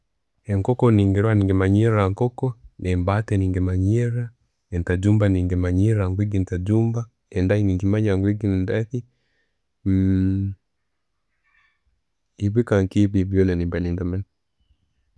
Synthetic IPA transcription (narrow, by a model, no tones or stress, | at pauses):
ɛŋkɔkɔniŋɡɛɾwaniŋɡɛmaɲiɾaŋkɔkɔnɛmbatɛniŋɡemaɲɛɾa | ɛntad͡ʒumbaniŋɡɛmaɲiɾaŋɡwiɡintad͡ʒumba | ɛndainiŋɡimaɲaŋɡwiɡindaθi | m | iβikaŋkibivjɔlɛnibanindamɛn